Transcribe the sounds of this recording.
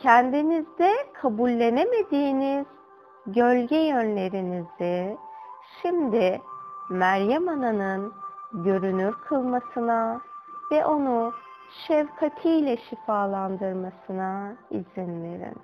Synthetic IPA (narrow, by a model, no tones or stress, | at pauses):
cʰænd̪inizd̪ɛkʰabulʲːe̞neme̞d̪iːniz̥ | ɟø̞lʲɟɛjønlʲe̞ɾinizɪ | ʃimd̪ɪmæɾjamananɯnɟø̞ɾynyɾkʰɯlˠmasɯnavɛʔo̞nu | ʃɛvkʰat̪ʰijlʲɛʃifaːlˠand̪ɯɾmasɯnaiz̥inlʲeɾḭn